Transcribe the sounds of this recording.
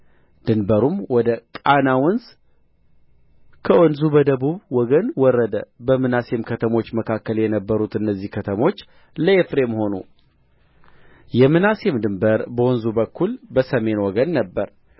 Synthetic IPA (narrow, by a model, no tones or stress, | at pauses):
d̪̥ɨnbəɾumwɔd̪əkʼanawɔnz | kʰəɔnzubəd̪əβuβwɔɡənwɔrːəd̪əbəmɨnase̞mkʰət̪ʰəmo̞t͡ʃːməkʰakːəljɛnəbːəɾut̪ɨnːəzːihkʰət̪ʰəmo̞t͡ʃː | ləefɾe̞mho̞nṵ | jɛmɨnase̞md̪ɨmbəɾbəwɔnzubəkːulbəsəme̞nwɔɡənːəbːəɾ